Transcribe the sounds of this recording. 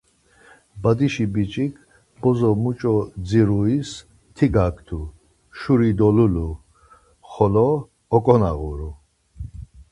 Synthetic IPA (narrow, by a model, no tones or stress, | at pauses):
bad̪iʃibit͡ʃʼikʰ | b̥ɔzɔmut͡ʃʼɔd͡ziɾuis | t̪ʰiɡakʰʼt̪ʰu | ʃuɾid̪ɔlulu | χɔlɔ | ɔkʼɔnaɣṵɾu